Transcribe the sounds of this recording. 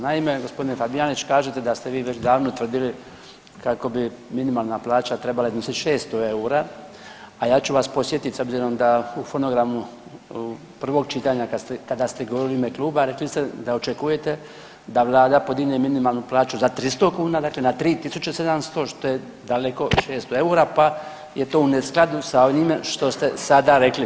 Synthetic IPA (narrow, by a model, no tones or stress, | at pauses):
naime̞ɡo̞spo̞d̪inefabijaːnit͡ʃt͡ɕkaːʒet̪ed̪ast̪eʋiːʋet͡ɕd̪aːʋnot̪ʋr̩d̪ili | kako̞biminimaːlˠnaplaːt͡ʃat̪ɾe̞balaiznosit̪ʃeːst̪oe̞uɾa | ajaːt͡ɕuʋaspo̞sje̞t̪it̪so̞bziɾo̞md̪aufo̞no̞ɡɾamu | pr̩ʋo̞ɡ̚t͡ʃit̪aɲakast̪ekad̪ast̪eɡoʋo̞ɾiliimekluːbaɾe̞klist̪ed̪aot͡ʃekuje̞t̪e | d̪aʋlˠaːd̪apo̞d̪iɡneminimalˠnuplˠaːt͡ʃuzat̪ɾist̪o̞kuːnad̪aːkle̞nat̪ɾiːt̪isut͡ʃese̞d̪amst̪o̞ʃt̪o̞je̞ | d̪aleko̞ʃeːst̪oeuːɾapa | je̞t̪o̞ːunesklˠad̪usaonimeʃt̪o̞st̪e̞sad̪aɾe̞kli